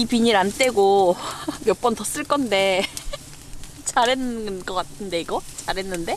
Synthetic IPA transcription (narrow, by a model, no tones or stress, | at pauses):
ipiɲiɾant͈e̞ɡo | mjʌp͈ʌntʌs͈ɯɭk͈ʌnde̞ | t͡ɕaɾennɡʌk͈atʰɯnde̞iɡʌt͡ɕaɾɦe̞nːɯnde̞